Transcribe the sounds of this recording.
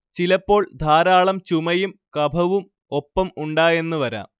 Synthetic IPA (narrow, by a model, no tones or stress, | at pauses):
t͡ɕilɐpːo̞ːɭd̪ʱaːɾaːɭɐmt͡ɕumɐjumkɐbʱɐʋum | o̞pːɐmuɳɖaːje̞nːuʋɐɾa̰ːm